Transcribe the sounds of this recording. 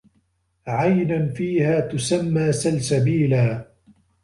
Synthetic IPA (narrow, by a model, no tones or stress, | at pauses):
ʕajnanfiːhaːt̪ʊsamːaːsalsabiːlaː